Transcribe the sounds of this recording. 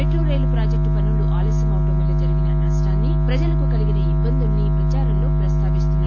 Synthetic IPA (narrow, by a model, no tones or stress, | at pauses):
eʈɾoːɾejlupɾaːd͡ʒek̚ʈpɐnːuluʔaːlɛːsɐmɐwʈɐmɐlːɐd͡ʒɐɾiɡinɐnɐsʈaːnːipɾɐd͡ʒɐlɐkukɐliɡinɐibːɐnd̪unːipɾɐt͡ʃaːɾɐmlo̞ːpɾɐst̪ʰaːʋist̪unːaː